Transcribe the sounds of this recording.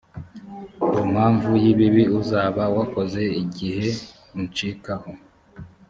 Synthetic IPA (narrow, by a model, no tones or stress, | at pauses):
um̥haːɱvujiβiβiuzaːβawako̞ze̞iɟihe̞ | int͡ʃikaho